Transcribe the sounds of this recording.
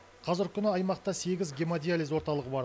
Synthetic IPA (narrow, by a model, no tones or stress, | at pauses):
qʰɑzɪɾkʲʰʏnɪɑjmɑq̚t̪ɑse̞ɡʲɪzɡʲemad̪ʲijalijzwo̞ɾt̪ɑlˠəʁəbɑɾ